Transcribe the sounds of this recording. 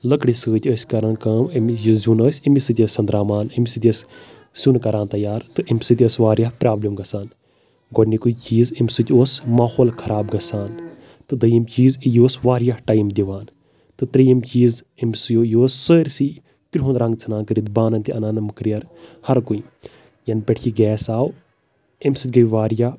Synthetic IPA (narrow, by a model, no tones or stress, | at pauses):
ləkɽisɨːt̪ʲəsʲkɐɾɐnkɐːmimʲjizunəːsʲimisɨt̪ʲəsʲɐnd̪ɾaːmaːnimʲsɨt̪ʲəs | sʲunkɐɾaːnt̪ɐjaːɾt̪ɨimʲsɨt̪ʲəsʋaːɾʲjahpɾaːblɐmɡɐsaːn | ɡoʈnikujt͡ʃiːzimʲsɨt̪ʲoːsmaːhoːlkʰɐɾaːbɡɐsaːn | t̪ɨd̪ɐjimt͡ʃiːzijoːsʋaːɾjaʈaːjmd̪ʲiʋaːn | t̪ɨt̪ɾɐjimt͡ʃiːz | imsɨjoːjoːsːəːɾʲsi | kɾʲɦunɾɐŋɡt͡sʰɐnaːnkɨɾid̪baːnɐnt̪iɐnaːnɐmɨkɾijɐɾhɐɾkui | jɐnpʲeʈʰt͡ʃʰiɡɛːsaːw | imsɨt̪̚ʲɡɐjʲʋaːɾja